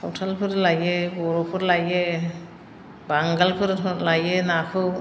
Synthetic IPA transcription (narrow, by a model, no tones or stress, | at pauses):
a̰wtʰalpʰɯɾlajɛbɔɾɔpʰɯɾlajɛ | baŋɡalpʰɯɾʰɔlajɛnakʰɯ